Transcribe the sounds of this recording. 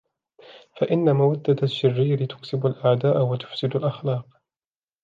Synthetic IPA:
faʔɪnːamawad̪ːaaʃːɪrːiːɾɪt̪ʊ̥ksɪbalʔaʕd̪aːʔwat̪ʊ̥fsɪd̪alʔaxlɑːq

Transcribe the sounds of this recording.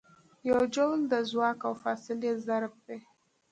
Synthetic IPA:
jawd͡ʒownd̪əzwɑkawfɑsɪlezaɾb̚d̪e

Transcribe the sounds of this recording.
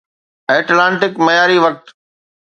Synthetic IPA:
eːʈlãːɳʈɪkmɐjaːɾiʋɐk̚t̪

